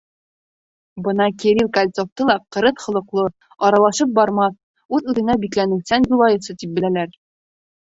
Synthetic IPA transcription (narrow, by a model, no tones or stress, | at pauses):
bɤnɑkiɾilˠkɐlʲt̪soft̪ɤlˠɑqɤ̆ɾɤθχŏlˠɤ̆qlˠɤ | ɒɾɑlˠɑʃɤp̚bɒɾmɑs | ʉðʉðɘ̆næbiklænɘ̆wsænʑulˠɑjɤ̆sɤt̪ip̚bɘ̆lælæɾ